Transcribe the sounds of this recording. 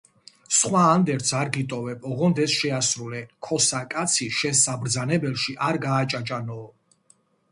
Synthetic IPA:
sχwaːnd̪ɛɾt̪sʰaɾɡit̪ʼɔvɛpʼɔʁɔnd̪ɛsʃɛasɾulɛkʰɔsakʼat̪sʰiʃɛnsabɾd̪zanɛbɛlˠʃiʔaɾɡaːt͡ʃʼat͡ʃʼanɔː

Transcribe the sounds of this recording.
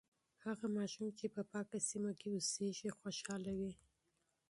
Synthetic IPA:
haɣamɑʃumt͡ʃepəpɑkasimakeoseʒixwoʃɑlawi

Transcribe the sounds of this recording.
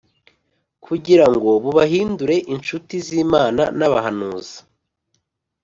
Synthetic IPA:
kʰuɟiɾaŋɡo̞βuβaɦiːnduɾe̞ʔint͡ʃutiziːmaːna̰naβaɦanuːza

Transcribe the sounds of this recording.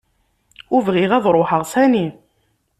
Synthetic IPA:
uvʁiʁæðˤɾˤoħəʁsæni

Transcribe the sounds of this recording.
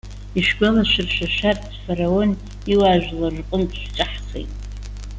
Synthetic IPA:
iʃɡʷalaʃɪrʃᶣaʃart | faɾaon | iwaʒᶣʷlarqʷʼʊmtʰʼʃʷᶣt͡ʃʷʼaħχḛjtʼ

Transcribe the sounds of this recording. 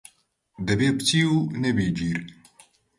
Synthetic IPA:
d̪ɛbeːbɨt͡ʃʰiːuːnɛbiːd͡ʒiːɾ

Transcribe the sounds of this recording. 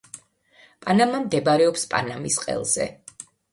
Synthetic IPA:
pʼanamamd̪ɛbaɾɛɔpspʼa̰namisqʼɛ̰lˠz̥ɛ̰

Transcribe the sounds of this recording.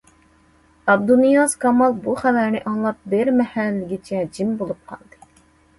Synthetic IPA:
ɑb̚d̪unijɑzkʰɑmɑlˠbuχælæɾnɪʔɑŋlˠɑp̚bɪɾmɛhælːɪɡʲit͡ʃʰɛd͡ʒimbolˠup̚qʰɑ̰lˠd̪ɨ

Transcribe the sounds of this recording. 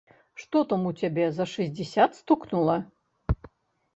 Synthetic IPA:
ʂt̪ɔt̪ɐmut͡sʲabʲɛzɐʂɨzʲd͡zʲɛsʲat̪st̪uknulˠɐ

